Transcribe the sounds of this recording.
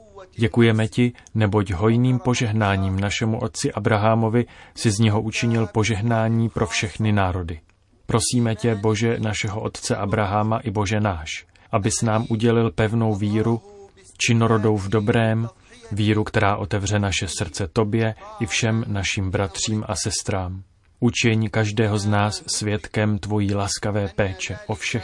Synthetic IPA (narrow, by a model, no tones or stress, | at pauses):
ɟɛkujɛmɛcɪnɛbo̞cɦo̞jniːmpo̞ʒɛɦnaːɲiːmnaʃɛmuʔo̞t̪̚t͡sɪʔabɾaɦamo̞vɪsɪzɲɛɦo̞ʔut͡ʃɪɲɪlpo̞ʒɛɦnaːɲiːpɾo̞fʃɛxnɪnaːɾo̞dɪ | pɾo̞siːmɛcɛbo̞ʒɛnaʃɛɦo̞ʔo̞t̪t͡sɛʔabɾaɦamaʔɪbo̞ʒɛnaːʃ | ʔabɪsnaːmʔuɟɛlɪlpɛvno̞wviːɾu | t͡ʃɪno̞ɾo̞do̞wvdo̞bɾɛːm | viːɾukt̪ɛɾaːʔo̞t̪ɛvr̝ɛnaʃɛsr̩t͡sɛt̪o̞bjɛʔɪfʃɛmnaʃiːmbɾat̪r̝̥iːmʔa̰sɛst̪ɾaːm | ʔut͡ʃɪɲkaʒdɛːɦo̞znaːsːvjɛt̪kɛmt̪vo̞jiːlaskavɛːpɛːt͡ʃɛʔo̞fʃɛ